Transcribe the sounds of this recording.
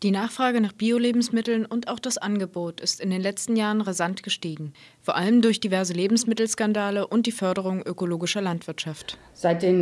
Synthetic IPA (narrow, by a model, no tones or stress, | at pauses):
d̥iːnaːχfʁ̥aːɡənaːχb̥iːoleːbm̩smɪtl̩nʊntaʊxd̥asʔanɡəboːtɪstɪndeːnlɛt͡stn̩jaːʁənʁazantɡ̥əʃtiːɡŋ̩ | foːɐʔaləmdʊɐçd̥ivɛɐzəleːbm̩smɪtl̩skandaːləʔʊnt̚d̥iːfœɐɾəʁ̞ʊŋʔøkoloːɡɪʃɐlantv̥ɪɐtʃaft | z̥aɪt̚d̥eːn